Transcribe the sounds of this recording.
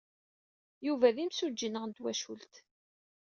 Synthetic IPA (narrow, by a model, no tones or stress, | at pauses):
juvæðimsud͡ʒːənəʁnt̪wæʃṵlt̪